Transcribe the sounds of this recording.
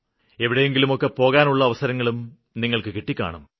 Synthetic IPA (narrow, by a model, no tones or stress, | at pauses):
e̞ʋiɽeje̞ŋɡilumokːepo̞ːɣaːnuɭːɐɐʋɐsɐɾɐŋːɐɭum | niŋːɐɭkɨkiʈːikʲːa̰ːɳɐm